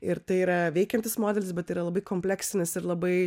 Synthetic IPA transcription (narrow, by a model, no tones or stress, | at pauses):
ɪɾt̪ɐɪiːɾɐʋʲɛɪkʲɛnʲt̪ʲɪsmoːd̪ʲɛlʲɪsbʲɛt̪ːɐɪiːɾɐlˠɐbɐɪkoːmʲpʲlʲæːksʲɪnʲɪsɪɾlˠɐbɐɪ